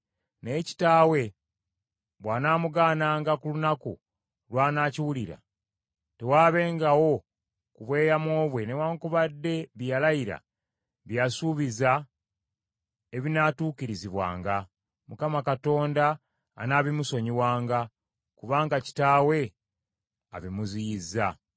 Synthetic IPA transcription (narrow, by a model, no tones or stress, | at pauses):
ne̞ːci̥taːwe̞ | βwaːnaːmuɡaːnaːŋɡakulunakṵ | lwaːnaːciwuliɾa̰ | te̞waːβe̞ːŋɡawo̞ | kuβwe̞ːjamwo̞ːβwe̞newaŋkuβadːe̞βjalajiɾa̰ | βjasuβiza | eβinatuːkiɾiziβwa̰ːŋɡa | mukamakato̞ːndaː | naːβimuso̞ɲiwaːŋɡa | kuβaːŋɡaci̥taːwe̞ | a̰βimuzijizːa